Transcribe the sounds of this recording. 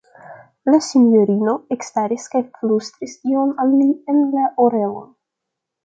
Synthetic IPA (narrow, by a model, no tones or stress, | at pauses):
lasinjoɾinoekst̪aɾiskaflust̪ɾist̪ionalmienlaʔoɾelo̰n